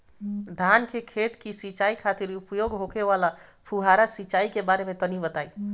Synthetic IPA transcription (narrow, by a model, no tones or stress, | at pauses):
d̪ʱankekʰet̪kisit͡ʃaikʰat̪iɾupjoɡɦokeʋalapʰuɦaɾasit͡ʃaikebaɾemet̪ənibət̪aj